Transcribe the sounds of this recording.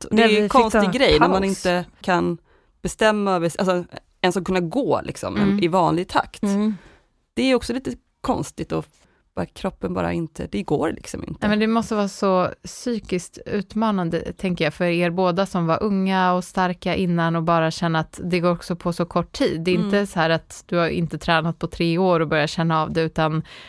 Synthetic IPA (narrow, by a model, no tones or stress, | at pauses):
ɔd̪ɛjkʰɔnsɪɡɾɛjːnæɾmanɪnt̪əkʰan | b̥ɛst̪ɛmːaœːvəʔa̰lsɔ | ɛnsɔkʰɵnːaɡoːlʔɪ̰ksɔ̰mɛnɪvɑːnlɪɡ̚t̪ʰa̰kt̪ | d̪̥ɛæɾjɔksɔliːt̪ə | kʰɔ̰nst̪ɪɡt̪ɔ | v̥akʰɾɔpːənbɑ̰ːɾa̰ɪnt̪ʰə̰d̪ɛɡo̰ːɾlʔɪ̰ksɔmɪ̰nt̪ːmɛnd̪ɛmɔst̪əvɑːɾasɔsyːkɪskt̪ʉ̟ːt̪mɑːnand̪ə̰t̪ʰɛŋkəɾjɑːfœɾeːɾboːd̪asɔmvaɾʔɵŋːaɔst̪aɾkaʔɪnːanɔbɑːɾaɕɛnːaːt̪d̪ɛɡoːɾɔksɔpʰɔsɔkʰɔʈːʰiːd̪ːɛɪnt̪əsɔɦæːɾat̪d̪̥ɵhaɾɪ̰nt̪ət̪ʰɾɛːnat̪̚pʰɔt̪ʰɾeːoːɾɔbœɾjaɕɛnːaːvd̪ɛʉ̟ːt̪an